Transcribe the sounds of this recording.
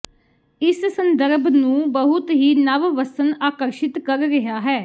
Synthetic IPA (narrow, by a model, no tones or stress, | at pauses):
ɪssənd̪əɾbnũːbəɦʊt̪ɦiːnəʋʋəsənaːkəɾʃɪt̪kəɾɾɪɦaːɦɛː